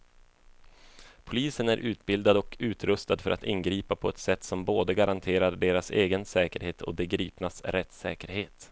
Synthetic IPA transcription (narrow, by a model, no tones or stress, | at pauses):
pʰʊliːsənæɾʔʉ̟ːt̪bɪld̪ad̪ɔkʉ̟ːt̪ɾɵst̪ad̪fœɾat̪ɪnːɡɾiːpapʰɔɛt̪sɛt̪ːsɔmboːd̪əɡaɾʔant̪ʰeːɾaɖeːɾaseːɡənsɛːkəɾheːt̪ʰɔ̰b̪ɛɡɾiːpnasɾɛt̪sɛːkəɾheːt̪